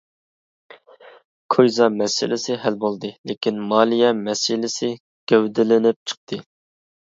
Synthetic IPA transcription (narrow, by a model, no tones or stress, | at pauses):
kʰojzɑmɛsɪ̰lɪsɪɦælbolˠd̪ɨlekʲinmɑːlˠijɛmɛsɪlɪsɪ | ɡ̥ʲøwd̪ɪlɪnɪp̚t͡ʃʰə̥q̚t̪ʰɨ